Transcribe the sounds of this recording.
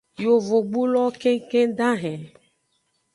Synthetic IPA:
jo˨vo˨ɡ͡bu˦lɔ˦kẽ˦ŋkẽ˦ɖã˦ɦɛ̃˨

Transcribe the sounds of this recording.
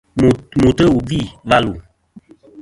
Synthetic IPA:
mu˨tə˦wu˨vi˦˨va˦lu˨

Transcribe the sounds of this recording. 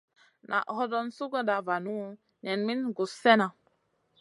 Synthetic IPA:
nʔa̰˨ʔhɔ˦dɔ˦n˦su˦ɡə˦da˨va˨nu˦ | ɲɛ˨nmi˦nɡu˨sɛ˦na˨

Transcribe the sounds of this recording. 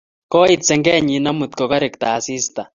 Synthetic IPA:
kɔ˦i˦t͡sɛ˨ŋɡɛ˦˨ɲi˨na˦mu˨t̪̚kɔ˨ka˦ɾe˨k̚t̪a̰ː˨si˦sta˨

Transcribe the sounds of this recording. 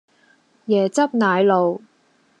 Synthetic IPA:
jɛː˨˩t͡sɐ˥p̚naː˨˧jlo˨w

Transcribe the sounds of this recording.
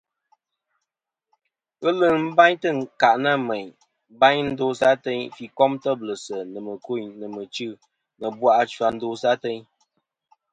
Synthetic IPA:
ɨ˦lɨ˨m̩˦ba˦ɲtɨ˦˨ŋ˨ka˨ʔna˦˨me˨ɲ | ba˦ɲn̩˦do˦sa˦tɛ˦ɲfi˨kɔ˦mtə˦blɨ˨sə˨nə˨mə˨ko˦˨ɲnə˨mə˨t͡ʃɨ˦˨ | nə˨bwa˦ʔa˦t͡ʃwa˨n̩˦do˦sa˦tɛ˦ɲ

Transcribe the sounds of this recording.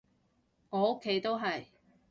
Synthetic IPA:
ŋɔː˨˧o˥kʰːe˨˧˥jt̪o˥wɦɐ˨j

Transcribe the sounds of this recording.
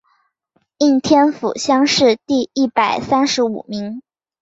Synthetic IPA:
i˥˩ŋt̪ʰjɛ˥nfṵ˨˩ɕjɑ˥ŋʂɻ̩˥˧t̪i˥˧i˥˩pa˨˩ɪsa˥nʂɻ̩˧˥ṵ˨˩mi˧˥ŋ

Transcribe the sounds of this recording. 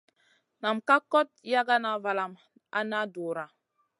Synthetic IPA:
na˨mka˦kɔ˦t̚ja˦ɡa˦na˨va˨la˨m | a̰˦na˦do˨ɾa˨

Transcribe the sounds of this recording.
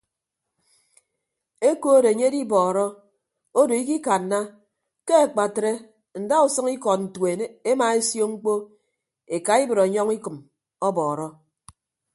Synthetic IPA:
e˦ko˦de˨ɲe˦di˦bɔː˨ɾɔ˦ | o˦do˨i˦ki˦ka˨n̩ː˨˦a˦ | ke˦a˨k͡pa˨tɾe˦ | n̩˨da˦u˨sɨ˦ŋi˦kɔ˨t̚n̩˨twe˨e˦e˦ma˨e˦sjo˦ŋ͡m̩˦k͡po˦ | e˨ka˨i˦bɨ˨ɾa˨ɲɔ˦ŋi˦kɨ˨m | ɔ˦bɔː˨ɾɔ˦

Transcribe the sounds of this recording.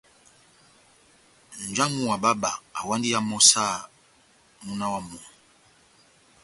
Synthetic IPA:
n̩˨d͡ʒa˦mu˦wa˨ba˦ba̰˨a̰˨wa˦ndi˦ja˦mɔ˦sa˦˨ | mu˦na˦wa˦mɔ˨

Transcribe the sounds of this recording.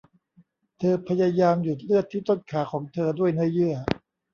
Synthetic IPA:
t̪ʰɤː˧pʰa˧ja˧jaː˧mju˨˩t̪̚lɯ˥˩ət̪ʰːiː˥˩t̪o˥˩n̚kʰaː˩˦kʰɔː˩˦ŋt̪ʰɤː˧du˥˩əjnɯ˥˩əjɯ˥˩ɐ

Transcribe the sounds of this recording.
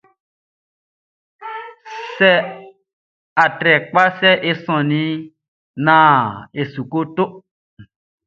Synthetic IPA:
sɛ˦ | a˨tɾɛ˨k͡pa˦sɛ˦ʔe˦sɔ̃˨nĩ˨˦ | nã˨e˨su˨ko˦t̪o˦

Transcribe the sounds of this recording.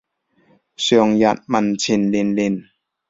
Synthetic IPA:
sœː˨˩ŋja˨˩t̪̚ma˨nt͡ɕʰi˧˩nli˧˩nli˧˩n

